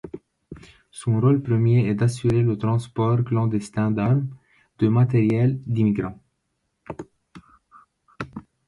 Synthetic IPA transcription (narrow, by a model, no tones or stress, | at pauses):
sɔ̃ʁolpχəmjeɛd̪asyʁelət̪χɑ̃spɔʁklɑ̃d̪ɛst̪ɛ̃d̪ɛ | d̪̥əmat̪eʁjɛld̪imiɡʁɑ̃